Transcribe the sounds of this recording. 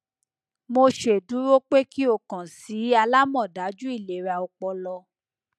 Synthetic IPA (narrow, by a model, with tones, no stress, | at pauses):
mo˧ʃe˨du˨˦ɾo˦k͡pe˦ki˦o˦˨kã˨si˨˦a˧la˦mɔ̃˦˨da˨˦d͡ʒu˦i˦˨le˨ɾa˨˧ɔ˧k͡pɔ˧lɔ˧